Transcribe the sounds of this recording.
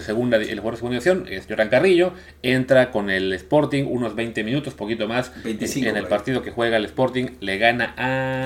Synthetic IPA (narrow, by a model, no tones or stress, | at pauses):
seɣund̪elxwɾseunaiasjo̞nḛsʝoɾaŋkariʝo̞ | e̞nt̪ɾako̞ne̞lespo̞ɾt̪iŋṵnozβe̞jnt̪emĩnut̪o̞spo̞kit̪o̞masenelpaɾt̪iðo̞ke̞xwe̞ɣalespo̞ɾt̪iŋle̞ɣanaʔa